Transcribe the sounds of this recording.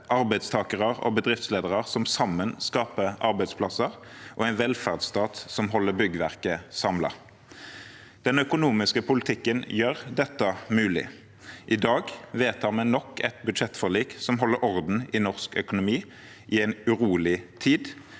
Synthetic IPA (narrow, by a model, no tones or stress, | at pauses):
ʔɑʁbæɪst̪ʰɑːkəʁɑʁɔ̰bəd̪ʁɪft̪sleːd̪əʁɑʁsɔmsɑmənskɑːpəʔɑʁbæɪd̪spʰlɑsəʁ | ʔɔ̰ɛɪnʋɛlfæʁd̪st̪ɑːt̪sɔmɦɔlːəbʏɡəʋæʁkəsɑmlɑ̰ | d̪̥ɛnœkʊnuːmɪskəpʰʊlɪt̪ʰɪkːənjøʁd̪ɛt̪ːəmʉːlɪ̰ | ʔɪd̪ɑːɡʋeːt̪hɑnmɛnɔkːɛt̪bʉd̪ʂʃɛt̪ːfɔʁɭiːksɔmɦɔlːəɾɔʁd̪n̩ɪnɔʁskœkʊnʊmiː | ʔɪɛɪnʉʁuːlɪt̪ʰiːd̪